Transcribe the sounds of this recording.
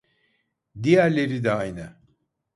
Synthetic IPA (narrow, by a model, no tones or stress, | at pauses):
d̪ijæɾlʲe̞ɾid̪ɛajna